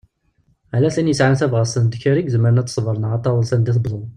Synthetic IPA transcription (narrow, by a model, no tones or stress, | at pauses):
alæθinjəsʕanθævʁəsənd̪çəɾiɡzəmːəɾənæt͡s̪ːə̥sˤvəɾˤənəʁɑt̪ˤːɑðˤəlsənd̪iθbðˤən